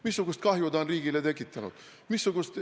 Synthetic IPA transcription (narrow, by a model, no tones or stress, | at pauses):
misːuɡust̪̚kɑɦjud̪ɑonriːɡ̥ilet̪e̞kːˑit̪ːˑɑnṵd̪̥ | misːuɡ̥ust̪